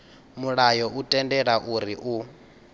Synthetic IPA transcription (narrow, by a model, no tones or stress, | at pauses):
muɺajɔutʼɛndɛɺaʔuɾiʔu